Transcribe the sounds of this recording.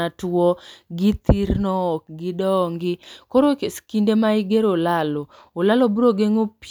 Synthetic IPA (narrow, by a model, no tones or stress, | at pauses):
atwɔɡɪt̪ʰiɾnɔːk̚ɡɪdɔŋɡɪkoɾoskindemaɪɡeɾolalɔ | olalobuɾoɡeŋop